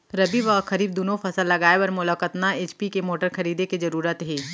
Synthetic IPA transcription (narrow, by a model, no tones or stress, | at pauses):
ɾɐbiʋɐxɐɾiːb̚d̪uːnõfʰɐsəlːɐɡaːeəɾmʊləkət̪naeːt͡ʃpikemoːʈəɾxɐɾiːd̪ekezɐɾuːɾət̪ɦɛː